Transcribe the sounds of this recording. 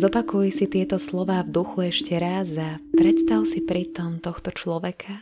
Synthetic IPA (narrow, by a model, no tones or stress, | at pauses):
zɔpakujɛsit̪ɪɛt̪ɔslɔʋaːvd̪uxuɛʃcɛɾazapɾɛt̪st̪aʊsipɾit̪ɔmt̪ɔxt̪ɔt͡ʃlɔʋɛkʰa